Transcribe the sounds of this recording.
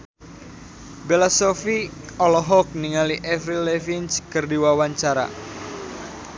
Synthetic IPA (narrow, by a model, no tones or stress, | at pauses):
belasɔfiɔlɔɦɔk̚niŋaliʔɛfɾilɛfinskərdiwawaɲt͡ʃaɾa̰